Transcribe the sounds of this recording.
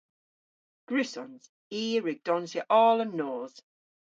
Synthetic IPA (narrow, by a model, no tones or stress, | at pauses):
ɡ̥ɹʉsɔ̰̃nz̥ | iːəɹɪɡ̚d̥ɔnzjəʔɔːlə̃nːɔːz̥